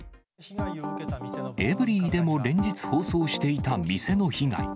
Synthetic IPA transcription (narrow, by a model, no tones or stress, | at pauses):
e̞bɯ̟ɾʲiːd̪e̞mo̞ɾẽ̞ɲ̟d͡ʑit͡sɨ̥ho̞ːso̞ːɕi̥t̪e̞it̪amʲise̞no̞çiŋa̰ḭ